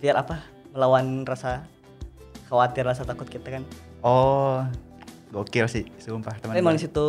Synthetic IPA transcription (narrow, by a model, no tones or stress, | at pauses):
fiaɾapa | məlawanrasa | xawat̪ɪrːasat̪akʊt̪̚kit̪akan | ɔ | ɡaokeɾasɪsumpat̪əmaamaŋdisit̪u